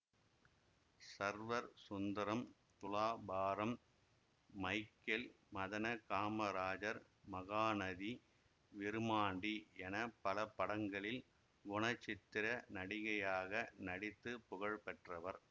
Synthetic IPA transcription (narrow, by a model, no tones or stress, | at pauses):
sɐɾʋɐɾsʊnd̪ɐɾɐm | t̪ʊlaːbaːɾɐmː | ɐɪkːɛl | mɐðɐnɐkaːmɐɾaːd͡ʒɐɾ | mɐɣaːnɐði | ʋɪɾɯmaːɳɖiɛnɐpːɐlɐpːɐɽɐŋɡɐɭɪl | ʋʊɳɐt͡ʃːɪt̪ːɪɾɐnɐɽɪɣɐjaːɣɐnɐɽɪt̪ːɯpʊɣɐɭpɛʈrɐʋɐɾ